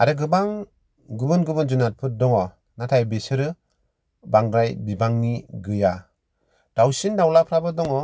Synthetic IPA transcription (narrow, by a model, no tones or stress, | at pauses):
aɾɯɡɯbaŋ | ɡɯbɯnɡɯbɯnd͡ʒunat̚pʰɯt̚dɔŋɔ | natʰajbesɯɾɯ | baŋɡɾajbibaŋniɡɯja | d̥awsindawlapʰɾabɯdɔŋɔ